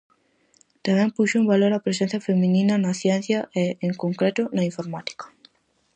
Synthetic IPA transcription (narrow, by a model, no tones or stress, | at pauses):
t̪amɛ̃mpuʃʊumbaloɾapɾesẽn̟θjɐfemĩninɐnɐθjɛ̃n̟θjɐʔeeŋkoŋkɾet̪ʊnɐiɱfoɾmat̪i̥kɐ̥